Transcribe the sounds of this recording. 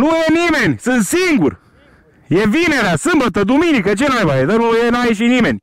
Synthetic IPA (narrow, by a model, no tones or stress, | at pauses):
nujenimenʲsɨnt̪siŋɡur | jevineɾasɨmbət̪əd̪uminikət͡ʃenajbaɦed̪ənujenajiʃ̬inimenʲ